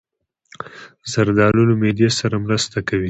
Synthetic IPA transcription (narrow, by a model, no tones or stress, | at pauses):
zaɾd̪ɑlulomed̪jesaɾamɾəst̪akawi